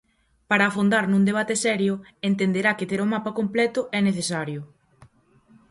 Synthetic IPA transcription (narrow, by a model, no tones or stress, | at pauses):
paɾaːfond̪aɾnũŋd̪eβat̪esɛɾjʊent̪end̪eɾaket̪eɾʊmapɐkomplɛt̪ʊʔɛneθesaɾjʊ